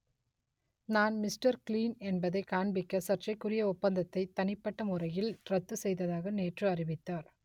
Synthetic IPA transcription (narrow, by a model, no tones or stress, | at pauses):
naːnmɪsʈɐɾkliːnɛnbɐðɐɪkaːɳbɪkːɐsɐʈrɐɪkːʊrɪjɐɔpːɐnd̪ɐt̪ːɐɪt̪ːɐnɪpːɐʈːɐmʊrɐjɪlrɐt̪ːɯsɛjðɐðaːɣɐneːʈrɯɐrɪʋɪt̪ːaːɾ